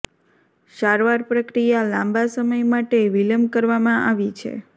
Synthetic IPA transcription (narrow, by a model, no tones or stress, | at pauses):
ʃaɾʋaɾpɾəkɾijalãmbasəməjmaʈeʋiləmbkəɾʋamãʔaʋit͡ʃʰḛ